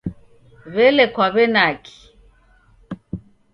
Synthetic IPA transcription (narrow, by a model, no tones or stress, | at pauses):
βɛlɛkwaβɛnakʰi̥